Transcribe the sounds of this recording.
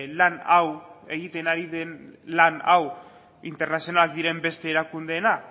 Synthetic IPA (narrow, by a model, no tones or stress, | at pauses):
lanawe̞ɣ̞it̪e̞naɾiðenlana̰w | int̪e̞ɾnasionalak̚d̪iɾe̞mbe̞st̪e̞ːɾakund̪e̞ːna